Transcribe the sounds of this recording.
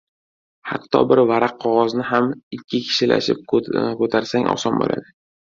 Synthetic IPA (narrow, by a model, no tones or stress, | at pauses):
ha̰qt̪ʰːɒ̰bɪɾvaɾaqʰːɒʁɒznɪɦamɪkʲʰːɪkʲʰɪ̥ʃɪlʔa̰ʃɪp̚kɵt̪ʰaɾsaŋɒ̰sɒnbo̰lʔa̰d̪ɪ